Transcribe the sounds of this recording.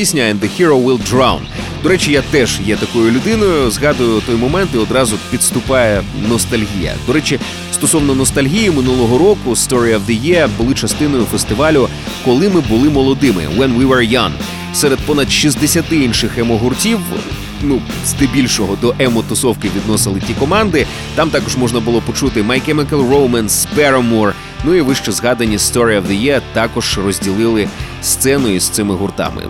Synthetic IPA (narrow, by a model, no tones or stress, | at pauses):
isʲnʲɐɛnd̪ehʲiɾoʋɪlˠdɾawn | d̪ɔɾɛt͡ʃɪjat̪ɛʒ̥jɛt̪ɐkɔjʊlʲʊd̪ɪnɔjʊzɦɑd̪ʊjʊt̪ɔjmɔmɛnt̪iɔd̪ɾɑzʊpʲid̪st̪ʊpɑjɛnɔst̪ɐlʲɦʲijɐ̰d̪ɔɾɛt͡ʃɪ | st̪ɔsɔwnɔnɔst̪ɐlʲɦʲijimɪnulˠɔɦɔɾɔkʊst̪ɔɾiɐwd̪ɪjɛbʊlˠɪt͡ʃɐst̪ɪnɔjʊfest̪ɪʋɑlʲʊ | kɔlˠɪmɪbʊlˠɪmɔlˠɔd̪ɪmɪ̰ʋɛnʋiʋɛɹjɐŋ | sɛɾed̪̚pɔnɐd̪ʃizd̪esʲɐt̪ɪinʃɪxɛmɔɦʊrtʲiw | nu | z̥d̪ɪbʲilʲʃɔɦɔd̪ɔʔɛmɔt̪ʊsɔwkɪʋʲid̪nɔsɪlˠɪtʲikɔmɑnd̪ɪ | t̪ɑmt̪ɑkɔʒmɔʒnɐbʊlˠɔpɔt͡ʃut̪ɪmɐjkɛmɛkɛlˠrowmɐnspɛɾɐmur | nuiʋɪʃt͡ʃɔzɦɑd̪ɐnʲist̪ɔɾʲiɐwðɐjɛt̪ɑkɔʒ̥rɔzʲdʲilˠɪlˠɪ | st̪sɛnɔjist̪sɪmɪɦʊrt̪ɑ̰mɪ̰